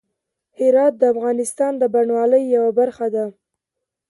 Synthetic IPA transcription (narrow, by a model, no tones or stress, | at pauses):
hɪɾɑt̪̚d̪əafɣɑnɪst̪ɑnd̪əbaɳwɑləjːawabaɾxad̪a